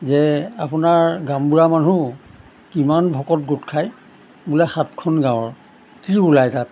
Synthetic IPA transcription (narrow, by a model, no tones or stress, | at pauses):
zɛapʊnaɹɡãmbuɹamanu | kimanbʱɔkɔt̚ɡotkʰaj | bulɛxatkʰɔnɡãw̃ɔɹ | tiulajtat̚